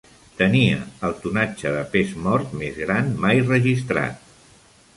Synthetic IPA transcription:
t̪əniə̰əlˠt̪unad͡ʒəðəpezmɔɾt̪mezɣɾanmajrəʒist̪ɾa̰t̪̚

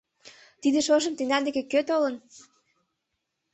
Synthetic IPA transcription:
t̪id̪eʃoʒə̆mt̪ĕŋd̪ɑnd̪ekekøt̪olən

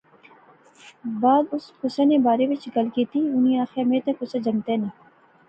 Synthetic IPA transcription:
baːd̪ʊskʊsanebaːɾeʋɪt͡ʃɡɐlkiːt̪ʰiʊniaːxemet̪ekʊsad͡ʒɐŋt̪ene

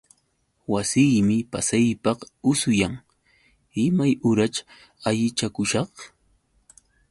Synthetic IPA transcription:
wasɪjmɪpasajpɑqʊsʊjaŋ | ɪmajʊɾat͡ʃ | aʎɪt͡ʃakʊʃɑχ

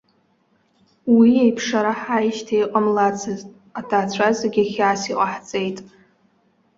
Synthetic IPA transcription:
wiejpʰʂaɾaħajʃtʰaejqʼamlat͡sʰɨztʼ | atʰaːt͡ɕʷʰazaɡʲaχʲaːsiqʼaħt͡sʼe̞jtʼ

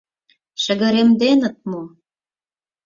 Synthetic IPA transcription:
ʃə̆ɣə̆ɾemd̪enə̆t̪̚mo

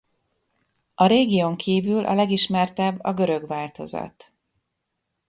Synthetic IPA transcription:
ɒɾeːɡijoŋkʰiːvylʔɒ̰lɛɡiʃmɛrt̪ɛbːɒɡø̞ɾø̞ɡʋaːlt̪o̞̰zɒ̰t̪

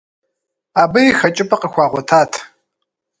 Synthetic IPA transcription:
aːbɐjixɐt͡ʃʼɪpʼɐqəxʷɑːʁʷɔtʰaːtʰ

